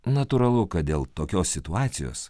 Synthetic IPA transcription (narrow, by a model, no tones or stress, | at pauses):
nɐt̪ʊɾɐlˠʊkɐt̪̚d̪ʲeːlˠt̪oːkʲoːsːʲɪt̪ʊɑːt̪sʲɪjo̰ːs